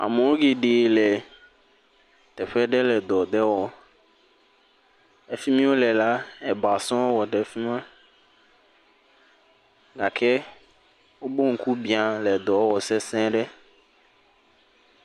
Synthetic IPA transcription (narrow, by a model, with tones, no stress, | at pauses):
a̰˨mõ˨wo˦ɡe˨ɖe˨lɛ˨ | t̪ɛ˨ɸɛ˦ɖɛ˦lɛ˨d̪ɔ˨d̪ɛ˦wɔ˨ | e˦fi˦mĩ˦wo˦lɛ˨la˦ɛ˨ba˨sɔ̃˦wɔ˦wɔ˨ɖɛ˨fi˦mã˦ | ɡa˨kʰɛ˦ | wo˦bo˦ŋ̩˨ku˦bĩ˨a˨lɛ˨d̪ɔ˨˦wɔ˨sɛ˦sɛ̃˦ɖɛ˦